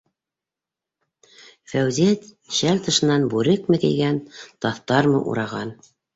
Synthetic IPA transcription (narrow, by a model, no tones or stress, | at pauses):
fæwzet̪ | ɕælt̪ɤ̆ʃɤ̆nːɑnbʉɾɘk̚mɘ̆kɘ̰̆jɡænt̪ɑθt̪ɑɾmɤ̰ʔṵɾɑʁɑn